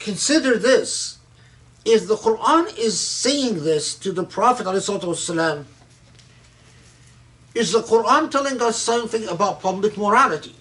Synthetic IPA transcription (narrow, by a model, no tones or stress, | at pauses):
kʰɨ̃nsɪɾə˞ðɪs | ɪfðəqʊɹʔãnɪz̥seɪɪ̃ŋðɪstʰɨðəpʰɹ̥ɑfətaleɪslɑt̪uʌsəlæ̃m | ɨzðəqʰʊɹãntʰɛlˠɪ̃ŋʌsʌ̃mθɪ̃ŋəbaʊt̚pʰʌblɨk̚məɹælˠɨɾi